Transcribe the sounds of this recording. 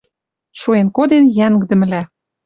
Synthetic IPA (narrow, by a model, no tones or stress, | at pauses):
ʃuenkod̪enjæŋɡ̆d̪ə̆mɘ̆læ